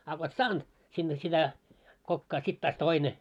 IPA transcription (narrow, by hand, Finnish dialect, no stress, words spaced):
ɑ ko et sɑːnd̥ sinːe sitæ kokːɑː sit tɑːs toine